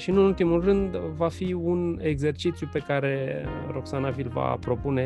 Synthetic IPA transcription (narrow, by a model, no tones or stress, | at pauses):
ʃiɨnult̪imulrɨnd̪vafiune̞ɡze̞rt͡ʃit̪sjupe̞kaɾe̞ro̞ksanavilva̰pɾo̞pune̞